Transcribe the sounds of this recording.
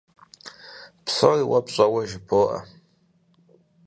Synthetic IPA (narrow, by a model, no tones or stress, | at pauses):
pʰsoiwapʰɕʷʼawaʒpʰoʔa̰